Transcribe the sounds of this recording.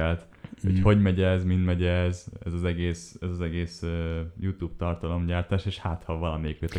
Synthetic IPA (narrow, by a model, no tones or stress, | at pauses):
ɛlt̪ | hocho̞ɟmɛɟɛzmind̪mɛɟɛzɛ̰zɒzɛɡeːsɛzɒzɛɡeːsøjut̪uːbt̪ɒrt̪ɒlo̞mɟaːrt̪aːʃeːʃhaːt̪hɒvɒlɒmejɛkøt̪ɛ